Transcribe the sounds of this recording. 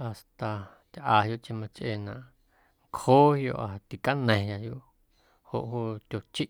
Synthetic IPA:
a˨st̪a˨ | t̪ʲʔaː˨ɦjo˦ʔt͡ʃẽ˧mã˧t͡ʃʔe˧˨nã˨ʔ | ŋkhoː˦hjo̰˧ʔa˨t̪i˨ka˦nə̃˨ja˧jo˦ʔ | ho̰˨ʔɦuː˦t̪ʲo˨t͡ʃi˦ʔ

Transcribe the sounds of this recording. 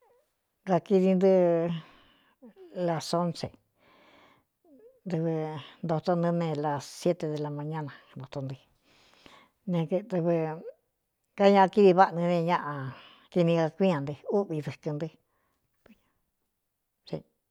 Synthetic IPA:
ɡa˧ki˧ði˧nd̪ɨ˦ | la˧so˦nsḛ˨ | d̪ɨ˧βɨ˧nd̪o˧t̪o˧nd̪ɨ̃˧nẽ˧la˨sje˦t̪e˧ðe˧la˧mã˧ɲã˦nã˨nd̪o˨˧t̪o˧nd̪ɨ˧ | nẽ˧k̪t̪ɨ˧βɨ˧ | ka˦ɲã˧ʔki˦βi˧βa˦ʔnĩ˧nẽ˧ɲã˦ʔã˧ | ki˧nĩ˧ɡa˧kʷĩ˦ã˨nd̪ɨ˧u˦βi˧ðɨ˧kɨ˧nd̪ɨ˧ | i˧ɲã˧ | sḭ˧

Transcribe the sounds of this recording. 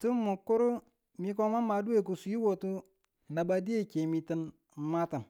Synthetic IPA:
tu˦mu˨kːu˦ɾu˦ | mi˦ko˦ma˦ma˨du˦e˦˨k̬u˨su˨ji˦wo˨tu˦ | na˨ba˦˨di˦e˦ke˨mi˨tə˦n˨˦ | ma˦ta˨n

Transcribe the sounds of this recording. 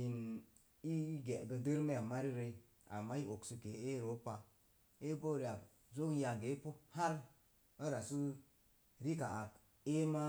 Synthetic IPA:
i˨n | i˦ɡe˨ɡə˧də˦ɾme˦a˨ma˦ɾi˦ɾe˧˦ | a̰˨mːa˦i˦ʔo˨ksu˧ke˨e˦ɾo˨˦pa˨ | e˦bo˦˨ɾi˨a˨k | zo˦kja˨ɡe˨˦po˦ha˦ɾ | ə˦ɾa˨su˦ | ɾi˦ka˨ʔa˨k | e˦ma˦

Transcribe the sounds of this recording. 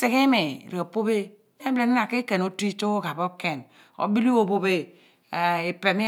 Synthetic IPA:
se˨ke˦me˨ɾe˨po˦be˦ | e˦ble˨ni˦na˨ke˦ke˨n˨o˦ti˦to˦o˦ɡa˨bo˦ke˨n | o̰˨˦bi˦li˦o˦bo˨be˦˨ | e˨pe˨mi˦

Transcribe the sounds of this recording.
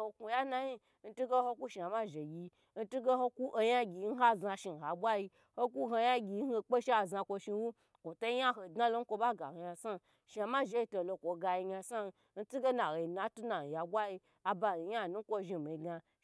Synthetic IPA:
o˧ku˧ja˦na˧ji˦ | n̩˦tu˦ɡe˦ho˧ku˦ʃi˧˨a˨ma˦ʒe˨ɡʲi˧ | n̩˦tu˦ɡe˦ho˧ku˦ʔo˧ja˦ɡʲi˨˧n̩˦ɦa˦˨za˧ʃi˧˨ɦa˨bʷa˦ji˧ | ho˦ku˦ɦo˧ja˦ɡʲi˧˦he˧k͡pe˦ʃi˦a˨za˧kʷo˧ʃi˧wu˦ | kʷu˨to˦ja˦ɦo˨dna˦lo˦ŋ̩˦kʷo˧ba˦ɡa̰˨hja˧sa˦ | ʃa˨ma˦ʒe˧˦i˧to˧˨lo˧kʷo˨ɡa˧ji˧ɲa˧sa˦˧ | n̩˦tu˦ɡe˦na˨he˨i˨na˨tu˦na˨n˨ja˨bʷwa˦ji˧ | a˧ba˧˨i˨ja˦˨nu˦ŋ̩˦kʷo˧ʒi˧˨mi˨ɡa˧

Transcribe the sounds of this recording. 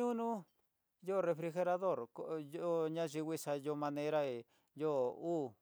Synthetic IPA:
ũ˦nũ˦ | jo˦˨˧re˧fɾi˧xe˧ɾa˧ðo˦˨ɾko˦˧jo˦ɲã˦ʒi˧wʷi˦ʂa˧jo˧˦mã˧nẽ˦ɾa˦e˨ | joː˦uː˦

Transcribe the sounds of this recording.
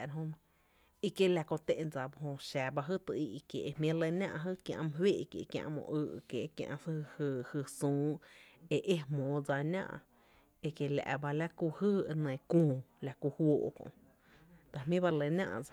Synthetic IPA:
ɾɦõ˦m | i˧ke˦la˧kõ˧t̪ẽ˦˧ʔd͡za˨bo˧ɦõ˧ʃa˨ba˧ɦɨ˦t̪ə˧i˧kjḛ˨ʔe˧mĩ˦le˧nʲã˧ʔɦɨ˦kjã̰˧ʔm˧ɦweː˦˧ʔkḛ˨˧kjã̰˧ʔmõ̰˧ʔɨ˧ʔke˧˨˧kjã̰˧ʔsɨ˦˧hɨ˧hɨ˧sũː˦e˧ʔe˦mõː˨d͡za˧nã̰˦ʔ | e˧ke˧la̰˧ʔba˧la˦ku˧hɨ˦e˧nẽ˨kũː˧˨la˧ku˧hwoː˧ʔkõ̰˨ʔ | t̪a˧mĩ˦ba˧le˧nã̰˧ʔd͡za˧

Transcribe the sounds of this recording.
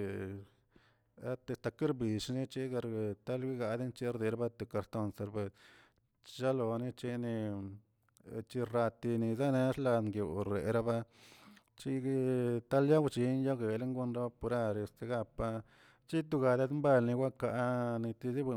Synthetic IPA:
a˦t̪e˧st̪a˧ki˦ɾbi˨ʂni˦t͡ʃi˦ɡa˧ɾt̪a˦lɡi˦ɡa˧d̪i˦nt͡ʃi˦ɾd̪i˧ɾa˦ba˦t̪u˨ka˧ɾt̪o˧nse˧ɾbe˧s | ʃa˦lo˨ni˦t͡ʃe˧ni˧ | t͡ʃi˧ɾa˧t̪i˧ni˧za˦ne˧ʂla˧ŋɡjo˨ɾḛ˨ɾa˦ba˧ | t͡ʃi˦t̪a˦lja˦wt͡ʃi˧njo˦ɡe˨le˦ŋɡu˧nɾa˦ba˧pu˧ɾa˧ɾe˧st̪e˧ɡa˧pa˧ | t͡ʃi˦t̪̬u˧ɡa˧d̪a˦d̪mba˧lni˧wʷa˦ka˧ʔni˧t̪i˧zi˦be˧˨

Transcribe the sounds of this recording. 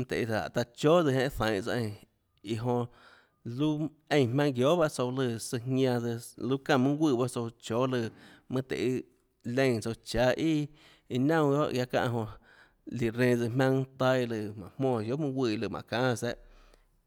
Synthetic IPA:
mɨ̃˧t̪ḛ˨i˧˨a̰˨t̪a˧t͡ʃoː˦d͡zɨ˧hã˧˦˧θã˨˦ŋt͡sa˧ʔẽ˧˨ | i˧˨ɦõ˧ | lu˦ | ẽ˧˨mã˧ŋɡjo˦ba˦ʔt͡so˧wlɨ˧sɨ˧hŋʲã˧d͡zɨ˧lu˦kã˧˨mɨ̃˦ɡʷiː˧˨ba˦t͡so˧t͡ʃoː˦lɨ˧˨mɨ̃˦t̪ḛ˨ʔi˦ | lẽ˧˨t͡so˧t͡ʃaː˧˦ʔi˦ | i˧nã˦˧w̃jo̰˦˧ʔɡja˧kã̰˧ʔɦõ˧ | li˨ɾẽː˧˨d͡zɨ˧mã˧ŋt̪a˧lɨ˧˨mã̰˨hmɔ̃ː˧˨jo˦mɨ̃˦ɡʷi˧˨˧lɨ˧˨mʔã̰˨kãː˦˧sɛ˦ʔ

